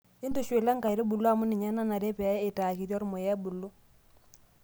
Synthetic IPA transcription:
ɪ˦ntu˨ʃwe˨la˦ŋ˦ka˨jɾɪ˦bu˨lːo˦a˨mu˦nɪ˨ɲɛ˦na˦na˨ɾe˦pɛ˨˦ɪ˨taː˨ki˨ɾjɔ˦ɾmɔ˨jɛ˦bu˨lːu˦

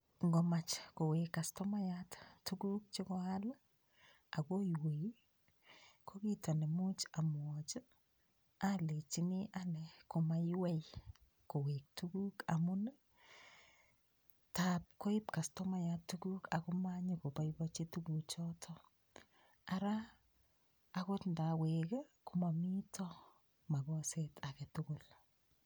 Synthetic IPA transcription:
ŋɡɔ˨mat͡ʃko˨we˨kːa˨stɔ˦ma˦jattu˦ɡu˦k̚t͡ʃi˦kɔ˦a˦la | a˨ko˦jwe˨i˦ | kʰo˦ki˦ta˨ne˨mu˦t͡ʃa˨m˨ɔ˨t͡ʃ | ale˨t͡ʃi˦ni˦ʔa˦nɛ˨ko˨ma˨jɪwɛ˦j | ko˨we˨k̚tu˦ɡu˦ka˨mʊ˦na˦ | tap̚ko˦ɪ˦pka˨stɔ˦ma˦jatuku˦ka˨ku˦ma˦ɲiko˨pa˨˦jbɔt͡ʃi˦tuku˨t͡ʃɔtʰɔ˦ | a˦ɾa˦ | ko˦tnda˨weke˦ku˨ma˨mi˦tʰɔ | ma˨bɔ˦setʰa˨kɛ˨tʊkʊ˨l

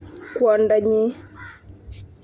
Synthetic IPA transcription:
kwa˨nda˨ɲi˦

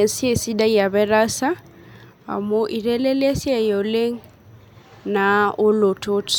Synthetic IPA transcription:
sje˨si˦da˦ija˨βɛ˦ɾa˦sa˦ | a̰˨mo˦ʔi˨ɾɛ˦lɛ˦le˦sja˨jo˨le˦ŋ̩ | na˨o˦lo˨tʰo˦t

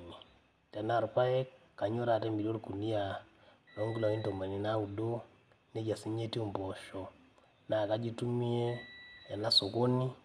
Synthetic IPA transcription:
ni˨ | ta˨na˦˨ɾka˦je˦k | kːa˨ɲo˦ɾa˨te˦mi˨do˦ɾku˨ni˦ja˨ | no˦ŋɡi˦lo˨i˦nto˨ma˨ni˦na˦u˨do˦ | ne˦ɟa˨si˦ɲe˦ti˦u˨mbo˨ʃo˨ | na˨ka˦d͡ʒi˦tu˦mi˦e˦ja˨na˦so˨ko˦ni˦

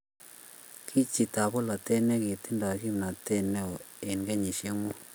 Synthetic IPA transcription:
kʰi˦t͡ʃi˨ta˨βo˦la˨te˦ne˦ki˨t̪i˦nda˨ki˦mna˨te˦nɛ˦˨ | e˨nɡe˦ɲi˨ʃe˦ŋɔ˦

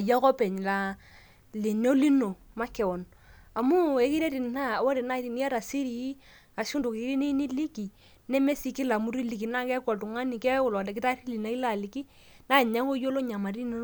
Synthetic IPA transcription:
a˨ja˦kɔ˦pɛ˨ɲ˨la˨ | li˨ne˦li˦no˨ma˦kɛ˨wɔ˨n | a˨mu˦e˦ki˦ɾe˦ɾi˨n˨na˦˨wa˦ɾi˨na˦˨ɾi˨ni˦a˦ɾa˨si˦ɾi˨˦ | a˨ʃu˦ndo˨ki˨˦ɾi˦ni˦ni˦li˦ki˨ | nɛ˦me˦si˨kɪ˦la˨mu˦ɾi˦li˨ki˨na˦kɛ˦kwa˨tu˨ŋa˦ni˨kɛ˦ʊ˦˨lɔ˨dɛ˨k̬ɪ˦ta˦ɾi˦li˨na˨i˦la˦˨li˨ki˦ | na˦˨ɲa˦ŋo˦jo˦lo˦ɲa˨ma˨ɾi˦n˦

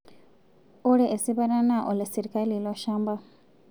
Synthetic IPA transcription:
o˦ɾe˦ʔe˨si˦βa˦na˦na˦ʔo˨le˨si˨ɾi˦ka˦li˨lo˦ʃaː˦mba˦

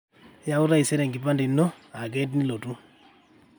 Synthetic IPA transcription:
ja˦u˦ɾa˦i˨sɛ˦ɾɛ˨ŋɡi˨pa˦ndi˨nːɔ˦ | a˨ɡɛ˦t̬ni˦lo˨tu˦

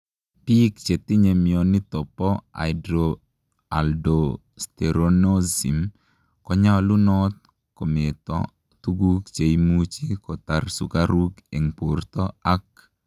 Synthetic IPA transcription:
pi˦kt͡ʃe˨t̪i˦ɲe˨mi˨o˨nɪ˦t̪ɔ˨pɔ˦a̰˨ɪdɾo˨ | a̰˨ldo | st̪eɾono˦zḭ˨m | kɔ˦ɲa˦lu˦nɔ˦t̪̚ | ko˨me˨t̪ɔ̰ | t̪u˦ɡu˦kt͡ʃe˨imu˦t͡ʃi˦kɔ˨t̪a˨rsṵ˨kaɾu˦ke˨ŋpoɾt̪ɔ˦a˦k̚

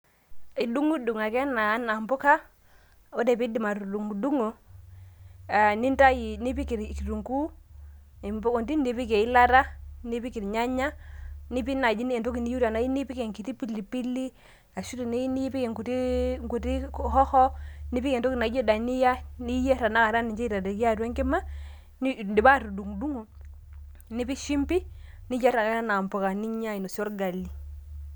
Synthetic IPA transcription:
i˨du˦ŋu˦du˨ŋa˨kɛ˦naː˨˦na˨mbʊ˦ka˦ | o˦de˨pi˦di˨ma˨tu˨du˨ŋ˨du˦ŋo˨ | a˨ni˦nta˦ji˨ni˦pi˦ki˨ɾki˨ɾu˨ŋku˦˨ | mbo˨nti˦ndi˨pi˦ke˨i˦la˦ɾa˦ni˦pi˦ki˨ɾɲa˦ɲa˦ni˦p̬i˦na˨d͡ʒi˦ne˨nto˦ki˨ni˦ju˦da˨na˨˦ji˦ni˦pi˦ke˨ŋki˨ti˦pi˦li˨pi˦li˦ | a˨ʃu˦ti˨nɛ˦ni˦pi˦kɛ˨ŋku˨ti˦ŋku˨ti˦hɔ˦hɔ˦ni˦pi˦kɛ˨ntɔ˦kɪ˨na˨˦d͡ʒɔ˦da˨nɪ˦ja˦ni˦jɛ˦ɾa˨na˦ka˨ɾa˦ni˨ɲd͡ʒɛ˦i˨ɾa˨tɛ˨ki˦a˦twɛ˦ŋkɪ˦ma˦ | ni˦ndɪ˨ba˦˨tu˨du˨ŋdu˦ŋo˨ | nɪ˦pi˦ʃi˦mpi˦ni˦ja˦ɾa˨a˦ɾa˦na˨mpɔ˨ka˨ni˦ɲa˦i˨no˨sjɔ˦ɾɡa˨li˦

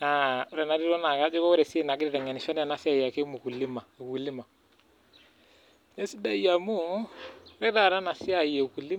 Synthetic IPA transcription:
a˨˦ɾɛ˨na˨ɾi˦ɾɔ˦na˨ka˦d͡ʒɔ˦kɔ˦ɔ˦ɾɛ˨se˦na˨ɡɪ˦ɾɪ˨ɾɛ˨ŋɛ˨nɪ˨fa˦n˦a˨na˨sɪ˦a˨ja˨ke˦mu˨ku˨li˦ma˨u˨ku˨li˦ma˨ | ne˦si˦da˦ja˨mu˦ | ɾɛ˦ɾa˨ɾa˦na˨sɪ˦a˦˨je˨ku˨li˦

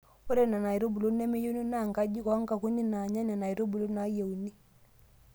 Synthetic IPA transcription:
o˦ɾe˦na˨na˨i˨ɾo˦bu˨lo˦nɛ˦me˦je˦ni˦na˦˨ŋɡa˦d͡ʒi˦kɔ˨˦ŋka˨ku˦ni˦na˨ɲa˦na˨na˨i˨ɾo˦bu˨lo˦na˦je˨u˨ni˦

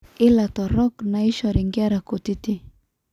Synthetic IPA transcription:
i˦la˨t̪ɔ˨ɾɔ˦kna˨i˦ʃɔ˨ɾi˨ŋɡi˦a˦ɾa˨ko˨t̪i˦ti˦

